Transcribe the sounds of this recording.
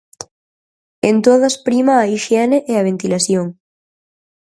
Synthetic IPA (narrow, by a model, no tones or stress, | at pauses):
ent̪oð̞ɐspɾimaːiʃjɛneʔeaβ̞ent̪ilaθjoŋ